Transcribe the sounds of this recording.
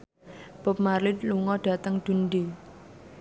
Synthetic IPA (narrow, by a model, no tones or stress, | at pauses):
b̥ɔ̤p̚maɾlɪt̪̚luŋɔɖ̥ä̤t̪əŋd̪̥ṳnɖi